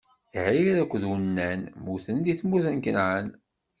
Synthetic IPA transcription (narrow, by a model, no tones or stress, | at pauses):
ʕiɾækʷːðənːænmuθənd̪iθmuθənkənʕən